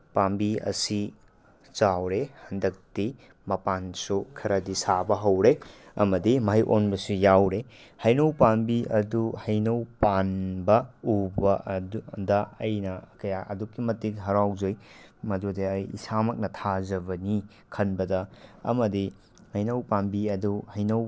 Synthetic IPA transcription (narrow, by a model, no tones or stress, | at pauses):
pambiɐ̰si | zawɾehɐndɐk̚ti | mɐpansukʰɐɾɐdisabɐɦɐwɾeɐmɐdimɐɦɐjʔonbɐsujawɾehɐjnɐwpanbiʔɐduhɐjnɐwpanbɐubɐddɐɐjnɐkɐjaʔɐ̰dukːimɐtikɦɐɾawzoj | mɐdudiɐjḭsamɐk̚nɐtʰazɐbɐni | kʰɐnbɐdɐɐ̰mɐdi | hɐjnɐwpanbiɐduhɐjnow